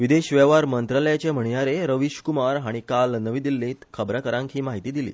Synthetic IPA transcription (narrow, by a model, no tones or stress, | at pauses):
ʋid̪eɕʋɛʋaɾmənt̪ɾaləjat͡ɕem̤əɳ̃ijaɾeɾəʋiɕkumaɾɦaɽ̃ikalnəʋiːd̪ilːĩːt̪kʰəbɾakəɾãŋkɦiːmaɦit̪iːd̪ilḭː